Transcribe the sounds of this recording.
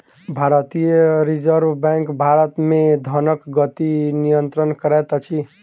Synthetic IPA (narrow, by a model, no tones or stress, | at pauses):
bʱaɾət̪ijəɾid͡ʒəɾbbɛ̃ŋkbʱaɾət̪med̪ʱənəkɡət̪inijənt̪ɾənkəɾɛt̪t͡ʃʰi